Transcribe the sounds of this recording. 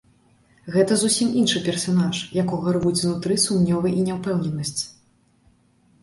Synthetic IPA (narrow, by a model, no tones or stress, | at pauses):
ɣɛt̪ɐzusʲiminʂɨpʲɛrsanaʂjakɔɣɐɾvut͡sʲvnut̪ɾɨsumnʲɔvɨʔinʲɛwpɛwnʲɛnɐsʲt͡sʲ